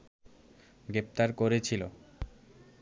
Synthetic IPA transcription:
ɡɾep̚t̪aɾkoɾet͡ɕʰilo̰

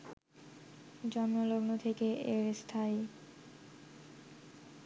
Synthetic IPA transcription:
d͡ʑɔmːoloɡnot̪ʰekeʔeɾst̪ʰai

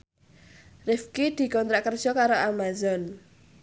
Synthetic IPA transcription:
rɪfkid̪̥i̤kɔnt̪ɾaʔkər̥ʒ̥ɔkaɾoʔamazɔn

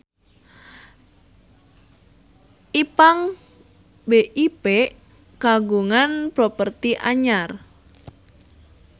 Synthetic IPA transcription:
ʔipaŋ | beʔipeʔ | kaɡuŋanpɾɔpərt̪iʔaɲar

